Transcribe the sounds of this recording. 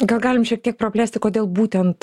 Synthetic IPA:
ɡɐlˠɡɑːlʲɪmʃʲiɛk̚t̪ʲiɛk̚pɾɐpʲlʲæːsʲt̪ʲɪkoːd̪ʲeːlˠbuːt̪ʲɛnt̪

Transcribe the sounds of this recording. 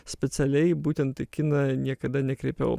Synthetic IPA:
sʲpʲɛt̪sʲɛlʲɛɪbuːt̪ʲɛnt̪ɐɪkʲɪnɐnʲiɛkɐd̪ɐnʲɛkɾʲɛɪpʲɛ̰ʊ

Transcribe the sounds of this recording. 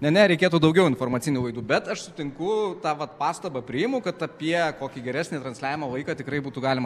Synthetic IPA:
nʲɛnʲɛɾʲɛɪkʲeːt̪uːd̪ɒʊɡʲɛʊɪnfoːrmɐtt͡s̪ʲɪnʲuːʋɐɪd̪uːbʲɛt̪ɐʃsʊt̪ʲɪŋkʊt̪ɑːʋɐt̪pɑːst̪ɐbɐpʲɾʲɪjɪmʊkɐt̪ɐpʲiɛkoːkʲiɡʲɛɾʲæːsʲnʲeːt̪ɾɐnsʲlʲæːʋʲɪmɐʋɐɪkɑːt̪ʲɪkɾɐɪbuːt̪uːɡɑːlʲɪmɐ

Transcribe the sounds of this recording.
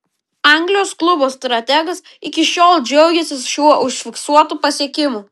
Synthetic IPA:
ɑˑŋʲɡlʲɪjoːsklˠʊboːst̪ɾɐt̪ʲæɡɐs | ɪkʲɪʃʲoːlˠd͡ʒʲɛʊɡʲɛsʲɪsʃʲuɔʔʊʃʲfʲɪksuɔt̪uːpɐsʲiɛkʲɪmuː

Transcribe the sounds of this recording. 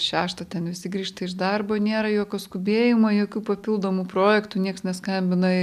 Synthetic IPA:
ʃʲæːʃt̪ɐt̪ʲɛnʋʲɪsʲɪɡɾʲiːʃt̪ɐɪʒd̪ɐrboːnʲeːɾɐjoːkʲoːskʊbʲeːjɪmɐjoːkʲuːpɐpʲɪlˠd̪oːmuːpɾoːjɛkt̪uːnʲiɛksnʲɛskɐmʲbʲɪnɐɪ

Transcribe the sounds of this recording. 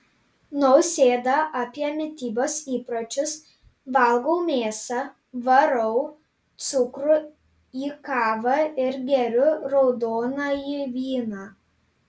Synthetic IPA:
nɔʊsʲeːd̪ɐʔɑpʲiɛmʲɪt̪ʲiːboːsiːpɾɐt͡ʃʲʊs | ʋɐlˠɡʊmʲeːsɐ | ʋɐɾɔʊ | t̪sʊkɾʊ | iːkɑːʋɐɪɾɡʲɛɾʲʊɾɔʊd̪oːnɑiʋʲiːnɑ

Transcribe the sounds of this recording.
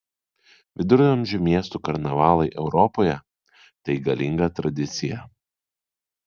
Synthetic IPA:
ʋʲɪd̪ʊɾʲɐmʲʒʲʊmʲiɛst̪uːkɐɾnɐʋɑːlˠɐɪʔɛʊɾɔpoːjɛ | t̪ɐɪɡɐlʲɪŋɡɐt̪ɾɐd̪ʲɪt̪sʲɪjɛ

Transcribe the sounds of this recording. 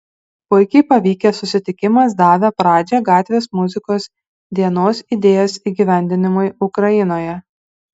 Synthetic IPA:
pʊɪkʲɛɪpɐʋʲiːkʲesʊsʲɪt̪ʲɪkʲɪmɐs̬d̪ɑːʋʲepɾɑːd͡ʒʲɛɡɑːt̪ʲʋʲeːsmʊzʲɪkoːs | d̪ʲiɛnoːsid̪ʲeːjoːsiːɡʲiːʋʲæˑnʲd̪ʲɪnʲɪmʊɪʊkɾɐjɪnoːjɛ

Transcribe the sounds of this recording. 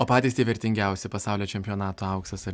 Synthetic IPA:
oːpɑːt̪ʲiːst̪ʲeɪʋʲɛɾʲt̪ʲɪŋʲɡʲɛˑʊsʲɪpɐsɑˑʊlʲoːt͡ʃʲɛmʲpʲɪoːnɑːt̪oːɐʊkst̪ɐsɐɾ

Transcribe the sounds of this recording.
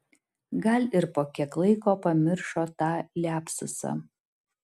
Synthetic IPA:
ɡɐlʲɪɾpoːkʲɛklˠɐɪkoːpɐmʲɪɾʃoːt̪ɑːlʲæːpsʊsɐ̰

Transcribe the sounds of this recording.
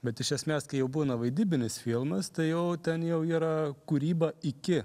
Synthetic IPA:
bʲɛt̪ɪʃʲɛsʲmʲeːskɐɪjɛʊbuːnɐʋɐɪd̪ʲiːbʲɪnʲɪsfʲilˠmɐst̪ɐɪjɛʊt̪ʲɛnjɛʊiːɾɐkuːɾʲiːbɐɪkʲɪ

